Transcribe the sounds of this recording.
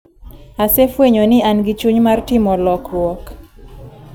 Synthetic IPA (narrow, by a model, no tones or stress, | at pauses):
asefweɲonɪanɡɪt͡ʃuɲmartɪmɔlɔkrwɔk